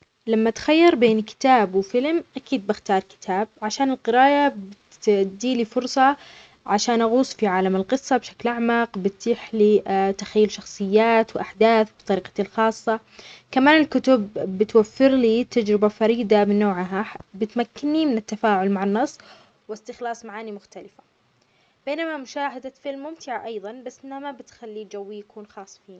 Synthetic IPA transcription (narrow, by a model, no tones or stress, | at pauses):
lamːat̪xajːɑɾˤbeːnkɪ̥t̪aːbwfɪlmʔakiːd̪̚bɪxt̪ɑːɾˤkɪ̥t̪ʰaːb̚ʕaʃaːnɪlqɨɾaːʔab | d̪iːlifʊɾsˤɑ | ʕaʃaːnʔaɣuːsˤfiʕaːlamɪlqɨsˤːɑbʃaklʔaʕmaqbɪt̪ːiːħlit̪ḁxajːʊlʃɑxsˤɨjːaːt̪wʔaħd̪aːθbt̪ˤɑɾiːqɑt̪ilxɑːsˤːɑ | kamaːnɪlkʊt̪ʊbːɪt̪wafːɪɾliːt̪ad͡ʒɾɪbafɑɾiːd̪amɪnːoːʕɦabɪt̪makːɪnːimɪnɪt̪ːafaːʕʊlmaʕanːɑsˤː | wɪst̪ɪxlɑːsˤmaʕaːnimʊxt̪alɪfḁ | b̥eːnamamʊʃaːɦad̪afɪlmːʊmt̪ɪʕaʔɑjðˤɑnbasːʔɪnhamabɪt̪xalːid͡ʒawːijakuːnxɑːsˤːfiːn